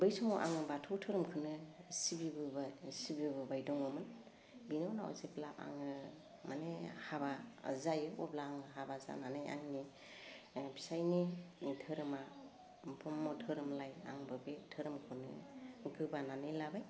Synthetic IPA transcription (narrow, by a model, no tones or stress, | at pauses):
bɯjsɔŋɔʔa̰ŋɯbatʰɔwtʰɯɾɯmkʰɯnɯsibibɯsibibɯbajdɔŋɔmɯn | binɯwnaɔ̰zeplapa̰ŋɯ | manehabazajɯʔɔ̰blaːŋɦabaza̰nanajʔa̰ŋni | bi̥sajnetʰɯɾɯma | bʰɔmːɔtʰɯɾɯmlaja̰ŋbɯbetʰɯɾɯmkʰɯnɯ̰ɡɯbananɯjlabaj